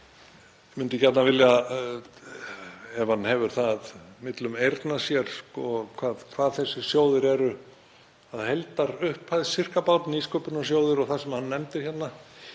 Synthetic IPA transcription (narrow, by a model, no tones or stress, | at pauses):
mʏnt̪ɪcɛt̪navɪlja | ɛv̥hanːhɛvʏɾ̥θaðmɪt̪lʏmejɾt̪nḁsjɛɾ̥skɔkʰvaːðkʰvaːðθɛsːɪ̥sjoːwðɪɾɛɾʏ | aðhɛjlt̪aɾʏhphaðsɪr̥kapawt̪niskœpʏnaɔs̬joːwðɪɾɔɣθasɛmhanːɛmt̪ɪɾ̥çɛt̪na